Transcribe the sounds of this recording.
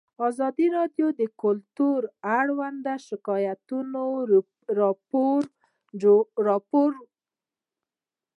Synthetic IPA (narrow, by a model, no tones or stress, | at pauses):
ɑzɑd̪iɾɑdjod̪əkʊlt̪uɾaɽwand̪aʃɪkɑjat̪uno | ɾpoɾ | ɾɑpoɾ